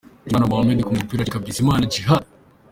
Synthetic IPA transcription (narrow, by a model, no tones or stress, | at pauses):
anawamedikumupiːɾaɾikavizimaːnad͡ʒiɦa